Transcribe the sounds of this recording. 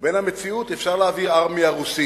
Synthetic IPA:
be̞nhame̞t͡siut̪efʃaʁlaːviʁaʁmiaʁusi

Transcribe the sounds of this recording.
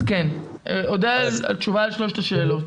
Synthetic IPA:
ken | eʔod̪ea̰lt̪t͡ʃuvaalʃloʃt̪aʃe̞ːlot

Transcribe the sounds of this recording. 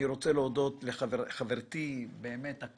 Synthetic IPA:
iɾo̞t͡seleod̪o̞t̪leχaveχaveʁt̪ibeːmeta

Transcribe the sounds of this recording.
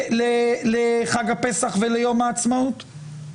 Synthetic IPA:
leleχaɡapesaχvelejo̞maːt͡smaut̪

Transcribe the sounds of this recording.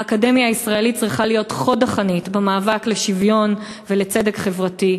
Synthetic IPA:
akade̞mjaːisʁaelit͡sʁiχalijo̞tχo̞daχanitbemaːvakleʃivjo̞n | velet͡se̞de̞kχe̞vʁati

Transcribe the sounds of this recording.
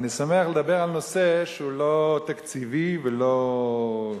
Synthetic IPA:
nisameaχled̪abe̞ʁalnoseʃeulot̪akt͡sivivelo

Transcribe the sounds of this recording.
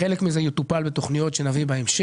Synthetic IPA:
elekmizejot̪upalbet̪o̞χnijo̞t̪ʃenavibaemʃ

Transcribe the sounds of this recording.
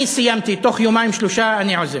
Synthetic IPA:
isijamt̪it̪oχjomajmʃloʃaʔaniʕoze

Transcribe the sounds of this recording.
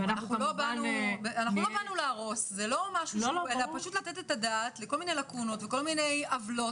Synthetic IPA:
nanaχulobanubanaχnuo̞banulaːʁo̞szelo̞maʃuelapaʃut̪latetetadaːtleko̞lminejlakuno̞tveko̞lmine̞javlo̞t

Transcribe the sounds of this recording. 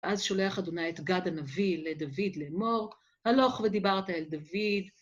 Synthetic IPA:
ʔazʃo̞le̞aχad̪onajet̪ɡadanaviled̪avid̪lemo̞ʁ | halo̞χve̞d̪ibaʁt̪aeld̪avid̪

